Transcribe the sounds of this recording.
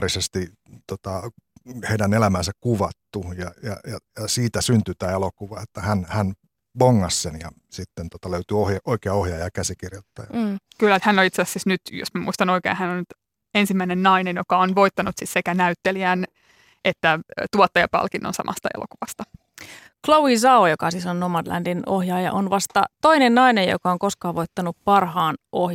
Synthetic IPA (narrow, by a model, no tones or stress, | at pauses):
risest̪i | t̪ot̪ɑheidænelæmæːnsækkuʋɑt̪ːujɑjɑjɑjɑsiːt̪æsynt̪yt̪æːelokuʋɑet̪ːæhænhæn | ʋoŋːɑssenjɑ | sit̪ːent̪ot̪ɑløyt̪yohjɑʔoikeɑohjɑːjɑkæsikirjot̪ːɑ̰jɑːkylːæt̪hænːolit̪seɑsːisnyt̪jo̰smæmṵist̪ɑnoikḛnhænolnyt̪ | ensimːæinenːɑinenjokɑonʋoit̪ːɑnut̪sissekænæyt̪ːeliæːn | ʔet̪ːæt̪uɔt̪ːɑjɑpɑ̰lkinːo̰nsɑ̰mʔɑ̰st̪ɑḛlʔo̰kuʋɑst̪ɑ | klowis̬ɑojokɑsisonːomɑdlæ̰ndinohjɑːjɑ̰ʔonʋɑst̪ɑt̪oinennɑinejjo̰kɑoŋkoskɑːʋoit̪ːɑnuppɑrhɑːnʔohj